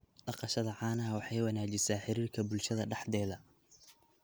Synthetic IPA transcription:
ɖɑqɑʃɐðɐʕɑːnɐɐwɑħɑjwɑnaːt͡ʃɪsaːħɪɾiːrkʰɐbʊlʃɐðɐɖɑħd̪ɛːðɐ

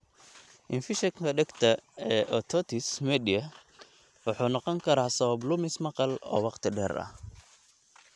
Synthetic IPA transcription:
ʔɪnfɪʃɛkkʰɐɖɛɡt̪ʰɐɛːʔɔt̪ʰɔt̪ʰɪsmɛd̪ɪjɐ | wɑħuːnɑqɔŋkʰɐɾaːsɐβɐblʊmɪsmɐqɑlɔ̰ːwɑqt̪ʰɪɖɛːɾɐ̰h

